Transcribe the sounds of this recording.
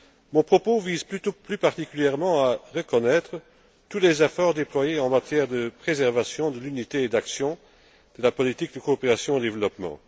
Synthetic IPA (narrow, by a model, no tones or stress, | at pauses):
mɔ̃pχɔpoviːzplyt̪oplypaʁt̪ikʲyljɛʁmɑ̃aʁəkɔnɛt̪χə | t̪ulezefɔʁd̪eplwajeɑ̃mat̪jɛʁd̪əpχezɛʁvasjɔ̃d̪əlynit̪eːd̪aksjɔ̃ | d̪̥əlapɔlit̪ik̚d̪əkoːpeʁasjɔ̃d̪evlɔpmɑ̰̃